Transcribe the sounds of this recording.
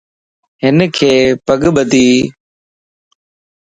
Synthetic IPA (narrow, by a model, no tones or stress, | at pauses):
ɦɪnkʰeːpəɠɓəd̪ʱiː